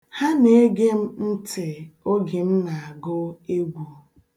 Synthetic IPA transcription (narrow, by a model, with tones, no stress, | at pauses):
ha˦ne˦ɡe˦m̩˦n̩˦tɪ˨o˦ɡi˨m̩˦na˨a˨ɡʊ˦e˦ɡʷu˨